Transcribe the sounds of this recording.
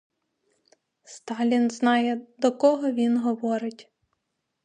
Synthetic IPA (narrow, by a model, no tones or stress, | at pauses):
st̪ɑlʲinznɑjɛd̪ɔkɔɦɔʋʲinɦɔʋɔɾɪtʲ